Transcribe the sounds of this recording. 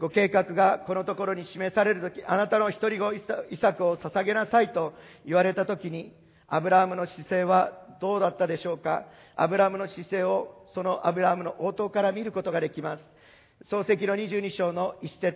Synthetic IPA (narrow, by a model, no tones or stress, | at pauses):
ɡ̥o̞ke̞ːkakɯ̟ɡako̞no̞t̪o̞ko̞ɾo̞ɲ̟iɕime̞saɾe̞ɾɯ̟t̪o̞kʲiʔanat̪ano̞çi̥t̪o̞ɾʲiɡo̞isakɯ̟o̞sasaɡe̞nasait̪o̞ | iβaɾe̞t̪at̪o̞kʲiɲ̟i | abɯ̟ɾaɦamɯ̟no̞ɕise̞ːβad̪o̞ːd̪at̪ːad̪e̞ɕo̞ːka | a̰bɯ̟ɾamɯ̟no̞ɕise̞ːo̞so̞no̞ʔabɯ̟ɾaɦamɯ̟no̞ʔoːt̪o̞ːkaɾamʲiɾɯ̟ko̞t̪o̞ɡad̪e̞kʲimasɨ̥ | so̞ːse̞k̬ʲino̞ɲ̟iʑɨːɲ̟iɕo̞ːno̞isse̞